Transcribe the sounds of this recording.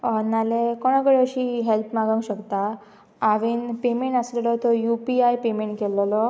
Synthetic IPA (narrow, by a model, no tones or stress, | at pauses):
ənalekoɽ̃əkəɽeəɕiːɦelpmaɡəŋɡɕəkt̪aː | ʋiːnpemeɳʈəslelɔt̪ɔjupiajpemeɳʈkelːelɔ